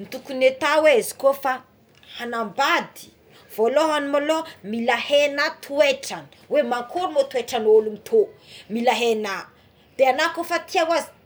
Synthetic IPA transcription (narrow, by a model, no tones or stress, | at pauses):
nit̪ukunet̪aweezi̥kofa | hanambad̪i̥ | v̥oloɦanumolomilahenat̪ʰueʈ͡ʂani̥wemaŋkʰoɾumot̪ueʈ͡ʂanolumit̪ʰomilaɦena | d̪̥eanakofat̪iawazi̥